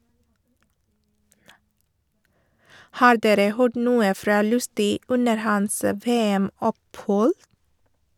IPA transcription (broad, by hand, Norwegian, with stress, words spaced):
ˈhɑːɾ ˈdeːɾə ˈhøːɖ ˈnuːə ˈfɾɑː ˈlʉstʏ ˈʉnəɾ ˈhɑns ə ˈʋeːæˌmɔpˌhɔl